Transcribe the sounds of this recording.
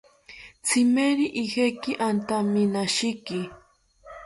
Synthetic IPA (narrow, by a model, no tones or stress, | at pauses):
t͡sʰɪmeɾiʔihekɪʔant̪amɪnaʃɪkɪ